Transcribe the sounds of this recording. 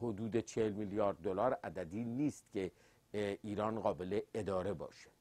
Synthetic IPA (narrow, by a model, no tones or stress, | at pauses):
hod̪uːd̪e̞t͡ʃʰehelmiljɒːɾd̪̚ːolɒːɾæd̪æd̪iːniːst̪cʰe̞ | iːɾɒːnɢɒːbe̞le̞ed̪ɒːɾe̞bɒ̰ːʃe̥